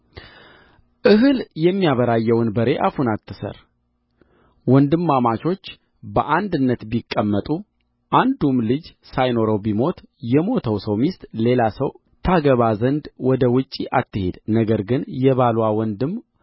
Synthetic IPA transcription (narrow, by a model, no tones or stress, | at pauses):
ʔɨɦɨljɛmːijaβəɾajːɛwɨnbəɾe̞ʔafunat̪ʰːɨsə̰ɾ | wɔnd̪ɨmːamat͡ʃo̞t͡ʃː | bə̰ʔand̪ɨnːət̪bikʼːəmːət̪ʼu | ʔand̪umlɨd͡ʒsajno̞ɾəwbimo̞t̪jɛmo̞t̪ʰəwsəwmist̪ʼle̞lasəw | t̪ʰaɡəβazənd̪wɔd̪əwʊt͡ʃʼːiʔat̪ːɨhe̞d̪nəɡəɾɡɨnjɛβalwawɔnd̪ɨm